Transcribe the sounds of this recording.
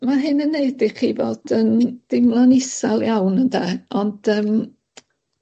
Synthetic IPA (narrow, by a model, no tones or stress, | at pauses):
maɦɨnəneːdɪχivoːd̥ənd̥ɪmlˠanɪsalˠjawnəndɛːɔnd̥əːm